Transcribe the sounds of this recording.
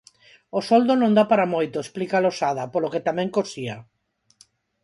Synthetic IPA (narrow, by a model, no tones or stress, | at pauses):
osɔld̪onõŋd̪apaɾamojt̪oesplikalosaðapoloket̪amɛ̃ŋkosia